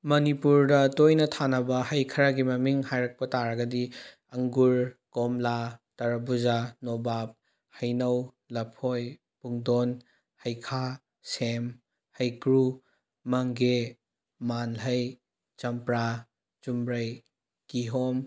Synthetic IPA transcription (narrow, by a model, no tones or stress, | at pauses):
mɐnipuɾdɐtojnɐtʰanɐbɐhɐjkʰɐɾaɡimɐmiŋhajɾɐk̚pɐtaɾɐɡɐdi | ɐŋɡuɾkɔmlatɐɾɐbuzanobap̚ | hɐjnɐw | lɐpʰoj | puŋdon | hɐjkʰa | sem | hɐjkɾu | mɐŋɡe | manɦɐj | t͡ʃɐmpɾa | t͡ʃumɾɐj | kiɦom